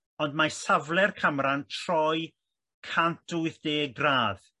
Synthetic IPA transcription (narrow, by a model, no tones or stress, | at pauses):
ɔndmasavlˠɛrkʰamɾantʰr̥ɔj | kʰantʊɨθd̥eːɡraːð